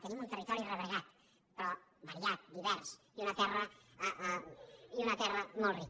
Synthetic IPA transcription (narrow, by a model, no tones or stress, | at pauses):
t̪enimunt̪erit̪ɔɾireβeɣat̪ | pɾɔβaɾiat̪̚d̪iβɛɾs | iunat̪ɛrə | iunat̪ɛrəmolˠri